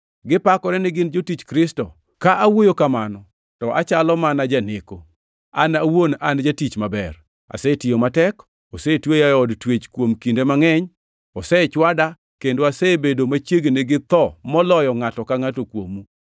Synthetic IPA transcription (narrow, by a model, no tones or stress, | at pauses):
ɡɪpakɔɾɛnɪɡɪnd͡ʒotit͡ʃkɾɪstɔ | kaʔawojokamanɔ | tɔʔa̰t͡ʃalɔmanad͡ʒaneko | a̰nawonand͡ʒatit͡ʃmabɛr | a̰setɪomatɛk | ɔsetwejaɔdtwet͡ʃkwomkindemaŋɛɲ | ɔsɛt͡ʃwada | kendoasebedomat͡ʃjeɡneɡɪt̪ɔmɔlɔjɔŋatɔkaŋatokwo̰mu